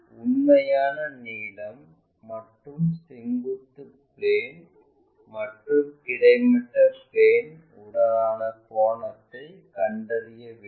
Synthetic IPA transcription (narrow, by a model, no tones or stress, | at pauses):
ʊnːɐjaːnɐniːlɐmː | ɐʈrɯmsɪŋɡut̪ːɯ | pleːn | mɐʈrɯmɪɽɐɪmɪʈːɐpleːn | ʊɽɐɾaːnɐkoːɳɐt̪ːɐɪkɐɳɖɐrɪjɐʋi